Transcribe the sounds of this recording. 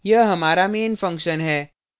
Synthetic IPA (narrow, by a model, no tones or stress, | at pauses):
jɐɦɐmaːɾameːnfɐ̃ŋkʃənɦɛː